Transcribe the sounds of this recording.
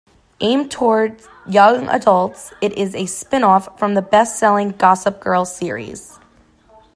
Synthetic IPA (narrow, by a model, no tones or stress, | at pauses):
ʔẽɪ̃mtʰɔɹdz̥ | jʌ̃ŋʔə̰dʌlˠtsɨɾʔɪzɨspɪ̃nɔfɹʌ̃mðɨbɛstsɛlˠɪ̃ŋɡɑsəp̚ɡ̥ɜ˞lˠsɪɹḭz̥